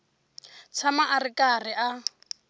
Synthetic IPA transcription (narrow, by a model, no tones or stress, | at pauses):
t͡sʰamaʔarɪkʼarɪʔa